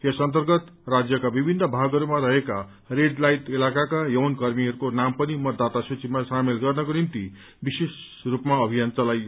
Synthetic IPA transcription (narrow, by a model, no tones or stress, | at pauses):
jʌsʌnt̪ʌrɡʌt̪ | rad͡zjʌkabibʱinːʌbʱaɡʌɾumaɾʌɦeka | reɖlajt̪elakakajʌwnkʌrmiɦʌɾukonampʌnimʌd̪ːat̪asut͡simasamelɡʌrnʌkonint̪i | bises | rupmaʌbʱijant͡sʌlajo